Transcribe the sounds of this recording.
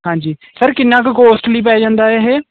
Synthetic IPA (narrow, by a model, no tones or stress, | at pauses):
ɦãːɲd͡ʒiː | səɾkɪnːãːkkoːsʈliːp̬ɛːd͡ʒãːnd̪aːɛːɦeː